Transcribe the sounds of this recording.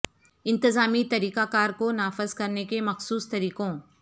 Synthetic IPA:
ɪ̃nt̪ɪzaːmit̪ɐɾiːkakaːɾkonaːfɪzkɐɾnekemɐxsuːst̪ɐɾiːkõː

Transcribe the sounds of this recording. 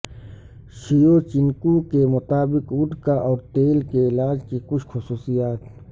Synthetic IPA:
ʃijoːt͡ʃiŋkukemʊt̪aːbɪqud̪kaʔɔːɾt̪eːlkeɪlaːd͡ʒkikʊʃxʊsuːsijaːt̪

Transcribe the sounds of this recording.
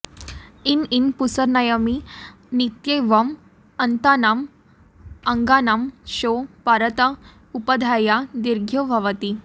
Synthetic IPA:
ininpusəɾnajəmi | nit̪jeʋəm | ənt̪anam | əŋɡanamɕopaɾət̪ə | upəd̪ʱajad̪iɾɡʱjobʱaʋət̪i

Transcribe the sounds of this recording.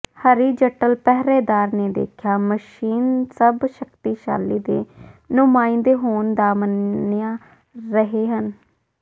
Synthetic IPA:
həɾiːd͡ʒəʈəlpɛɦɾeːd̪aːɾneːd̪ḛːkʰjaːməʃiːnsəbʃəkt̪iːʃa̰ːliːd̪eːnʊmaːɪ̃nd̪eːɦoːnd̪aːmənjãː | ɾəɦeːɦən

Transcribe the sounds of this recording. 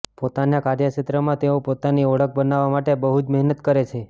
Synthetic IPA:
pot̪anjakaɾjət͡ʃit̪ɾəmãt̪eopot̪aniɔɽək̚ʰbənaʋamaʈebəɦud͡ʒməɦnət̪kəɾet͡ʃʰe

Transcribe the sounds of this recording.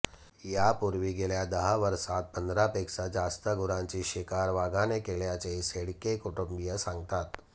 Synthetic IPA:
japuɾʋiɡeljad̪əɦaʋəɾsat̪̚pənd̪ɾapeksad͡zast̪əɡʊɾãɲt͡ɕiɕikaɾʋaɡanekeljat͡ɕeiseɽkekuʈumbijəsãŋɡ̚t̪at̪

